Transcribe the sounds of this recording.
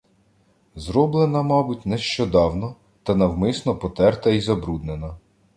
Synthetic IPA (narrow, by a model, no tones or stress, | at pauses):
zɾɔblˠenɐmɑbutʲnɛʃt͡ʃɔd̪ɑwnɔ | t̪ɐnɐwmɪsnɔpɔt̪ɛrt̪ɐizɐbɾud̪nenɐ